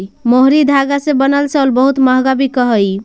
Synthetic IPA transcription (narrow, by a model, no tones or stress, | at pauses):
moɦɾid̪ʱaɡasẽbənəlsəlbəɦut̪məɦɡabʱikəɦəj